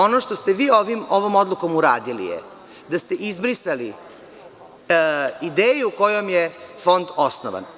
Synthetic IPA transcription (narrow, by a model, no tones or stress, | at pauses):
o̞noʃt̪o̞st̪eʋiːoʋimo̞ʋo̞mo̞d̪lˠuko̞muɾaːd̪ilḭjeɛ̰ | d̪ast̪e̞ʔizbɾisali | id̪eːjuuko̞jomjefo̞nd̪o̞sno̰ʋa̰n